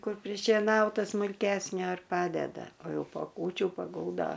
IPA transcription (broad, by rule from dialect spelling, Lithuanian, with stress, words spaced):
ˈkʊr pʲrʲɪʃʲeːˈnɐʊtɐ smʊlʲˈkʲæːsʲnʲoː ɪr ˈpɑːdʲɛdɐ oː ˈjɛʊ poː ˈkuːt͡ʃʲuː pɐˈɡʊlˠdoː